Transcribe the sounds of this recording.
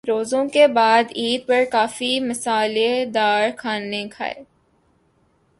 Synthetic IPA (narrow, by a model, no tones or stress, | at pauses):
ɾoːzõkebaːd̪iːd̪̚pɐɾkaːfimɐsaːled̪aːɾxʰaːnekʰa̰ːḛː